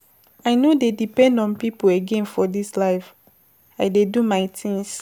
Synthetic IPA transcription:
aɪnodedipɛ̃ndɔ̃npipoeɡɛ̃nfɔdislaɪf | aɪdedumaɪtʰĩŋs

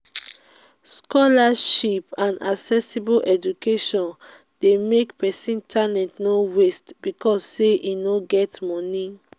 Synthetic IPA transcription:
skɔlaʃipãna̰ksɛsiboʔɛd͡ʒukeʃɔ̃n | demekpɛsĩntʰalɛ̃tnowestbikɔsːeʔinoɡɛtmɔni

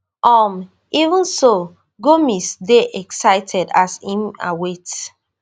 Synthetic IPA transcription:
ʔɔm | ivə̃nso | ɡomisdeʔɛksaɪtʰɛdasĩma̰wet

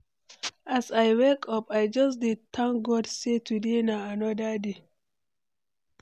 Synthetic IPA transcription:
ʔasajwekɔpajd͡ʒɔs̬ditʰːãŋɡɔdsetudinaanɔdadi

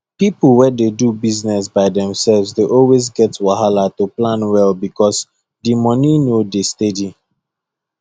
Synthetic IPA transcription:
pipl̩ˠwɛdedubiznɛs̬baɪdɛ̃msɛlvsdeʔɔlwezɡɛtwaɦalatuplãnwɛlbikʰɔs | dimɔninodestedi

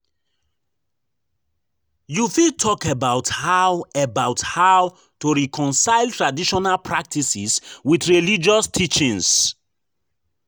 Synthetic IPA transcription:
jufitʰɔkəbaʊthawəbaʊthaʊ | tuɹikʰɔ̃nsaɪltɹadiʃɔnalpʰɹak̚tʰisiswiθɹelid͡ʒɔstʰit͡ʃĩŋs

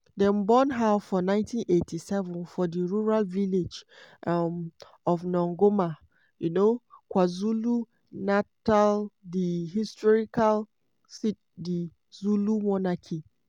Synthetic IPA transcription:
dɛ̃nbɔ̃nɦafɔnãɪ̃ntĩnʔetʰisɛvɔ̃nfɔdiɹuɹalviled͡ʒʔam | ɔvnɔ̃ŋɡoma | junokwazulu | nataldiɦistɔɹikal | sit | di | zulumɔnakʰi

